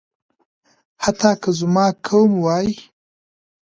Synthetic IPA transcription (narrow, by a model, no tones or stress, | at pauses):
hat̪ɑːkəzmɑːkʰowmwɑji